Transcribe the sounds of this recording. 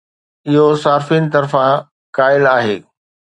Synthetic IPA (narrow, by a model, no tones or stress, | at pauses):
ɪɦosaːɾfinɪ̆t̪ɐɾfã | kaːɪlaːɦeː